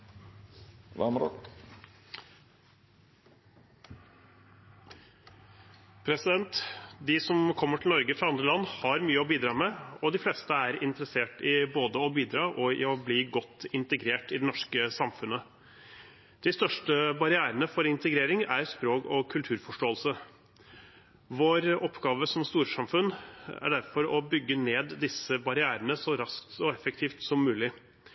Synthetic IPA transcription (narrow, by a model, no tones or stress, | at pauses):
ʋɑmɾɔ | pʰɾɛsɪd̪ɛnt̪d̪ɪsɔmkʰɔmːəʈʰlnɔɾɡəfɾɑɑnd̪ɾəlɑnːhɑɾmyːəɔbiːd̪ɾɑːmɛɔd̪ɪfleːst̪əæɾɪnt̪əɾəseːʈɪboːd̪əɔbiːd̪ɾɑːʔɔɪ̰ɔbliːɡɔt̪ːɪnt̪əɡɾeːʈɪd̪ɛnɔʂkəsɑmfʉnə | d̪̥ɪst̪œʂʈəbɑɾɪæːɾənəfɔɾɪnt̪əɡɾeːɾɪŋæɾspɾoːkɔkʰʉlt̪ʰʉːɾfɔʂʈoːəlsə | ʋoːɾɔpːɡɑːʋəsɔmst̪uːɾʂɑmfʉnːæ̰ɖæɾfɔɾɔbʏɡːəneːd̪ːɪsəbɑɾɪæːɾənəsɔɾɑskt̪sɔɛfəkt̪ʰiːft̪sɔmːʉːlɪ